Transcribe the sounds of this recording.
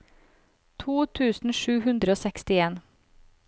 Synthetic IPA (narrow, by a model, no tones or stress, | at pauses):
t̪ʰuːt̪ʰʉːsn̩ʃʉːhʉnd̪ɾəoːsɛkst̪ɪeːn